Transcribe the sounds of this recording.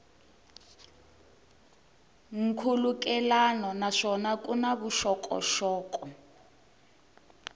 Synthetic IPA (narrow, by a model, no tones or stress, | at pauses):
ŋ̩kʰuluk̬ɛlanɔnaʂɔnakʼunaβuʃɔkʼɔ̰ʃɔːkɔ